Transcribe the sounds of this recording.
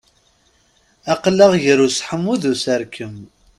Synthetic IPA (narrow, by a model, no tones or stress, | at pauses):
ɑqlːəʁjəɾusħəmːuðusəɾkʰəm